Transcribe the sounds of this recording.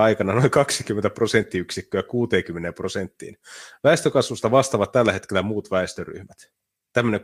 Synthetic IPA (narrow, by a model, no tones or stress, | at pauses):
ɑikɑnɑnoiŋkɑksikyment̪æpro̞sent̪ːiyksikːøækuːt̪eːŋkymːeneːmpro̞sent̪ːḭːnʋæest̪økɑsʋust̪ɑʋɑst̪ɑʋɑt̪t̪ælːæhe̞t̪kelːæmuːt̪ʋæest̪øry̰hmæt̪ | t̪æmːøneŋ